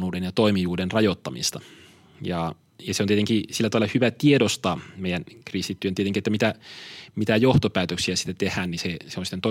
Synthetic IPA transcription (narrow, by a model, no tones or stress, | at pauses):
nuːdenjɑt̪oimijuːdenrɑjot̪ːɑmḭst̪ɑ | jɑ | jɑseoniet̪eŋkisilːæt̪ɑʋɑlːɑhyʋæt̪iedost̪ɑːmeˑijænkrist̪it̪ːyønt̪ieteŋkiet̪ːæmit̪æmit̪æjoht̪opæːt̪øksiæsi̥t̪ːæt̪ehæːnniseseonsit̪ːent̪o